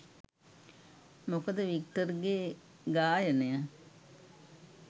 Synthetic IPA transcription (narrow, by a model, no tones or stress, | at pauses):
mokəd̪əʋikʈəɾɡeː | ɡaːjənejə